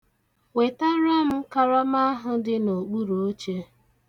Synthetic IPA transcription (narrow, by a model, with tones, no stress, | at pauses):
we˨ta˦ɾa˦m̩˦ka˦ɾɔ˦ma˦a˦ɦʊ˨dɪ˦no˨k͡pu˦ɾu˨o˦t͡ʃe˦